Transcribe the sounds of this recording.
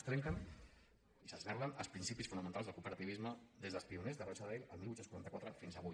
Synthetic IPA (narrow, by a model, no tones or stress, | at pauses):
st̪ɾɛŋkən | isəznɛɾlənəlˠspɾinsipisfunəmə̃nt̪alzðəkupəɾət̪iβizməd̪ezðəlspiunezðərɔt͡ʃəðiləlˠmiluj̪senkuɾant̪əkwat̪ɾəfinzəβu